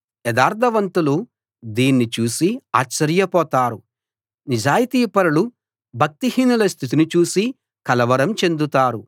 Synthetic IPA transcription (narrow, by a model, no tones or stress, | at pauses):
jɛd̪aːɾd̪ʰʱɐʋɐnt̪ulu | d̪iːnːit͡ʃuːsia̰ːtt͡ʃːɐɾjɐpɔːt̪aːɾu | nid͡ʒaːjit̪iːpɐɾɐlu | bʱɐk̚t̪ihiːnulɐst̪ʰit̪̬inut͡ʃuːsi | kɐlɐʋɐɾɐmt͡ʃe̞nd̪ut̪aːɾu